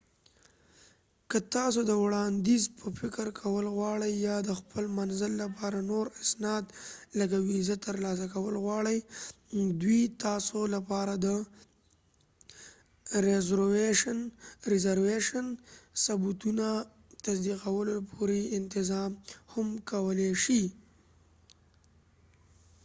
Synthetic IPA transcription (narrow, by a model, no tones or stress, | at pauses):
kət̪ɑsod̪əwɽɑnd̪izpʰəfɪkəɾkʰawəlɣwɑɽəjːɑd̪əxpəlmanzəlːapɑɾanoɾasnɑd̪laɡawizat̪əɾlɑs̬akawəlɣwɑɽəj | d̪wit̪ɑsolapɑɾad̪ə | ɾɪzɾweʃənɾɪzaɾweʃənsabut̪una | t̪asd̪iqawəlopʰoɾeɪnt̪ɪzɑmhamkawəleʃi